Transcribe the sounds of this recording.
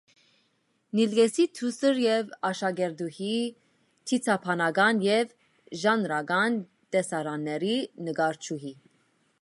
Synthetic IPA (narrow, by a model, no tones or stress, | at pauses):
nilɡɛsit̪ʰusəɾjɛvɑʃɑɡɛɾd̪uhi | t̪ʰit͡sʰɑpʰɑnɑɡɑnjɛv | ʒɑnɾɑɡɑn | d̪ɛsɑɾɑnːɛɾinəɡɑɾt͡ʃʰuɦi